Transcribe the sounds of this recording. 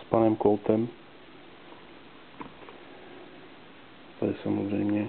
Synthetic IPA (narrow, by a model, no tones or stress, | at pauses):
spanɛmkolt̪ɛm | t̪ʰadɪsamozrɛjmɲɛ